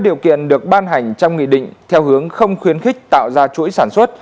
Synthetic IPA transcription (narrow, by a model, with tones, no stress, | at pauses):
ɗi˨˩əwkḭ˧˨ənɗɨ˨˩ək̚ɓaː˧nɦa˨˩jŋ̟t͡ɕɔ˧wŋ͡mŋḭ˧˨ɗḭ̈˧˨ŋ̟t̪ʰɛ˧wɦɨ˨˦əŋxə˧wŋ͡mxwi˨˦ənxï˦˥k̟̚t̪a̰ː˧˨wzaː˧t͡ɕṵ˧˥jsaː˧˩nswə˦˥t̚